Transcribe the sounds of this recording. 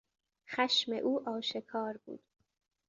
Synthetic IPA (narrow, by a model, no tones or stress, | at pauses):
xæʃmḛʔuːʔɒːʃe̞kʰɒːɾbṵːd̪̥